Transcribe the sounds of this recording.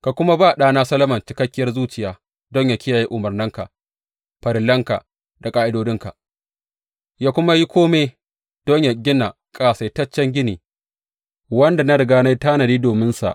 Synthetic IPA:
ka˨kʷʊ˦ma˦baː˦˨ɗaː˦naː˦sɐ˦lɐ˦mɐ˨nt͡ʃɪ˦kɐ˦kʲːɪ˦jɐ˦rzuː˦t͡ʃɪ˨jaː˦ | dɔ˦ɲja˨kʲɪ˦jaː˨ji˦ʔʊ˨mɐ˨rnɪ˦ŋka̰˨ʔ | ɸɐ˨ɾɪ˨lɐ˦ŋka̰˨ | da˨kʼaː˦ʔɪ˦doː˦dɪ˦ŋka̰˨ʔ | jaː˦kʷʊ˦ma˦ji˦kʷoː˦meː˦ | d̥ɔ˦ɲja˨ɡʲɪ˦na˨ | kʼaː˨seː˨tɐ˦t͡ʃːɛ˦ŋɡʲɪ˦niː˨ | wɐ˦nda˨na˦ɽɪ˨ɡaː˦na˦jtaː˦nɐ˨diː˦doː˨mɪ˦nsa̰˨ʔ

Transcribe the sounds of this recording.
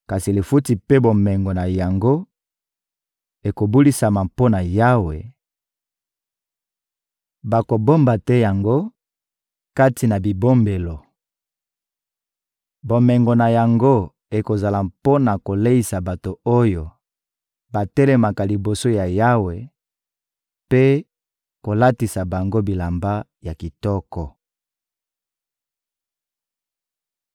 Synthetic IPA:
ka˨si˨le˨fu˦ti˨pe˦bo˨mɛ˨ŋɡo˨na˨ja˨ŋɡo˦ | e˨ko˨bu˦li˦sa˨ma˨mpo˦na˨ja˦we˨ | ba˨ko˨bo˦mba˨tɛ˦ja˨ŋɡo˦ | ka˦ti˨na˨bi˨bo˦mbe˨lo˨ | bo˨mɛ˨ŋɡo˨na˨ja˨ŋɡo˦ | e˨ko˨za˨la˨po˦na˨ko˨le˦i˨sa˨ba˨to˨o˦jo˨ | ba˨tɛ˦lɛ˨ma˨ka˨li˨bo˨so˦ja˨ja˦we˨ | pe˦ | ko˨la˦ti˨sa˨ba˨ŋɡo˦bi˨la˨mba˦ | ja˨ki˨tɔ˦kɔ˨

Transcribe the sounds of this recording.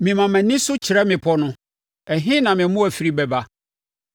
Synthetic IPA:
mɪ̃˨mã˨mæ̃˨nɪ̃˦sʊ˦t͡ɕʰɪ˨ɾɛ˦mɪ̃˨pʰɔ˦nʊ̃˦ | ɛ˨ɦɪ̃˦nã˨mɪ̃˨˦mʊ̃˦æ˨fi˨˦ɾi˦bɛ˨ba˦

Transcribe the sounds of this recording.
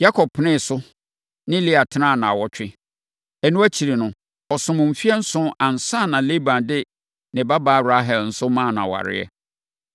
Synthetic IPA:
ja˦kʰɔ˨b̚pʰːnɪ̃˦˨sʊ˦ | nɪ̃˦li˦a˨tʰɪ˦nã˦˨nã˨wɔ˦t͡ɕᶣɪ˦ | ɛ˨nũ˦æ˦t͡ɕʰi˨ɾi˨nʊ̃˨ | ɔ˨sʊ̃˨mʊ̃˨m̩˨fi˦ɛ˦n̩˦sʊ̃˦ʔã˨n̩˨sã˦˨nã˨le˦bã˨ndɪ˦ | nɪ̃˨ba˦baː˦˨ɾa˦ɦɛ˨ln̩˦sʊ˦mã˦˨nã̰˨wa̰˨ɾɪ̰˦ɛ̰˦

